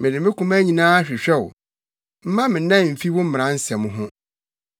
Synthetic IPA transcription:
mɪ̃˨dɪ˨mɪ̃˦kʊ̃˦mæ˦ɲĩ˨nãː˦a˦ɕᶣɪ˨ɕᶣɛ˦wʊ˨ | m̩˦mã˦mɪ̃˨˦nã˦˨m̩˨fi˦wʊ̃˦m̩̃˦˨ɾã˦n̩˦sɛ˨mʊ̃˦ɦʊ̃˦

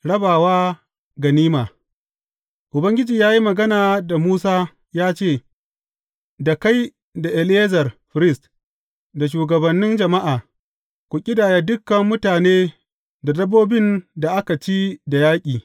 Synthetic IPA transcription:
ɽɐ˦baː˨waː˦ | ɡɐ˨niː˦maː˨ | ʔʊ˨bɐ˦ŋɡʲɪ˦d͡ʒiː˨jaː˦ji˦mɐ˨ɡɐ˦naː˨da˨muː˦saː˦ | jaː˦t͡ʃeː˦˨ | da˨ka˦j | da˨ʔɛ˨leː˦zɐ˨rɸɪ˨ɾɪ˦st | da˨ʃ̬uː˨ɡɐ˨bɐ˨nːɪ˦nd͡ʒɐ˨ma˦ʔaː˨ | kʷu˨kʲʼɪ˦daː˨ja˦dʊ˦kːɐ˨mːʊ˦taː˨neː˦ | da˨dɐ˦boː˦bɪ˦nda˨ʔa˦ka˨t͡ʃi˦da˨jaː˦kʲʼiː˨

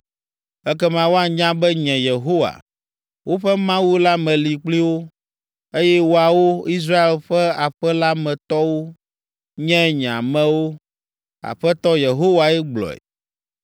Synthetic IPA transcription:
ɛ˦kɛ˦mã˨wo˦a˨ɲã˦bɛ˦ɲɛ̃˨je˨ɦo˦wa̰˨ | wo˦ɸɛ˦mã˦wu˦la˦mɛ̃˨li˨k͡pli˦wo˦ | e˦jɛ˦wo˦a˨wo˦i˦s̬ɾa˦e˨lɸɛ˦a˨ɸɛ˦la˦mɛ̃˨t̪ɔ˦wo˦ | ɲɛ̃˦ɲ˨ã̰˨mɛ̃˨wo˦ | a̰˨ɸɛ˦t̪ɔ˦je˨ɦo˦wa˨ɛ˦ɡ͡blɔ̰˨ɛ̰˨

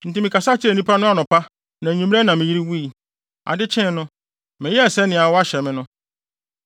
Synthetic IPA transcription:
n̩˨tɪ˨˦mĩ˨ka˨sa˦t͡ɕʰɪ˦ɛ˨nĩ˦pʰa˦nʊ̃˦a˨nʊ̃˨pʰa˦ | nã˨ɲũ˨˦m˦ɛ˦nã˨mɪ̃˨ji˦ɾi˦wu˦i˨ | a̰˨dɪ˦t͡ɕʰɛ̃˦nʊ̃˦ | mɪ̃˨jɛ˦ɛ˨sɛ˦nɪ̃˨a˨wɔ˦a˦ɕɛ˨mɪ̃˦nʊ̃˦

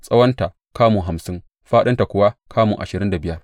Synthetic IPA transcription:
sʼɐ˦wɐ˦nta˨ | kaː˦mu˨ɦa˨msɪ˦ŋ | ɸaː˦ɗɐ˦nta˨kʷʊ˨wa˦kʰaː˦mṵ˨ŋʔa̰˨ʃɪ˨ɾɪ˦nda˨bɪ˦jɐ˦r

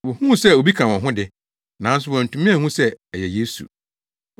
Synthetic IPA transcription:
wɔ˨hũ˦˨sɛ˦˨o˨bi˦kʰã˨wɔ̃˨ɦʊ̃˦dɪ˨ | nã˨n̩˦s̬ʊ˦wɔ̃˨n̩˨tʰũ˨mĩ˦a˨hũ˦sɛ˦ɛ˨jɛ˨jeː˦sṵ˨

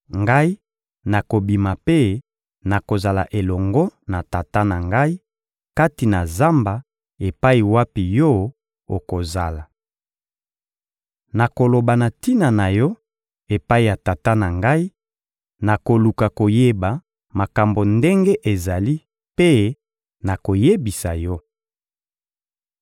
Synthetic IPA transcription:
ŋɡa˦i˦ | na˨ko˨bi˨ma˨pe˦ | na˨ko˨za˨la̰˨ʔe˨lɔ˨ŋɡɔ˦na˨ta˨ta˦na˨ŋɡa˦i˦ | ka˦ti˨na˨za˦mba˨ | e˨pa˦i˨wa˦pi˨jɔ˦ | o˨ko˨za˨la˨ | na˨ko˨lo˨ba˨na˨ti˦na˨na˨jɔ˦ | e˨pa˦i˨ja˨ta˨ta˦na˨ŋɡa˦i˦ | na˨ko˨lu˨ka˨ko˨je˦ba˨ | ma˨ka˨mbo˨nde˦ŋɡe˦ʔe˨za˨li˦ | pe˦ | na˨ko˨je˦bi˨sa˨jɔ˦

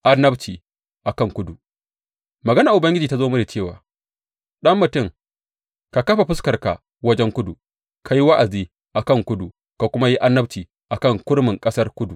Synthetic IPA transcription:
ʔa˦nːɐ˦bt͡ʃiː˨ | ʔa˨kɐ˦˨ŋkʷʊ˦du˨ | mɐ˨ɡɐ˦naː˨ʔʊ˨bɐ˦ŋɡʲɪ˦d͡ʒiː˨ta˦zoː˦mʊ˦da˨t͡ʃeː˦˨waː˨ | ɗɐ˦mːʊ˨tʊ˦˨ŋ | ka˨kɐ˦ɸa˨ɸɪ˦skɐ˨rka̰˨ | wɐ˦d͡ʒɛ˦ŋkʷʊ˦du˨ | kʰa˨ji˦wɐ˦ʔa˨ziː˦ | ʔa˨kɐ˦˨ŋkʷʊ˦du˨ | ka˨kʷʊ˦ma˦ji˦ʔa˦nːɐ˦bt͡ʃiː˨ | ʔa˨kɐ˦˨ŋkʷʊ˦ɽmɪ˨ŋkʼɐ˦sɐ˦rkʷʊ˦du˨

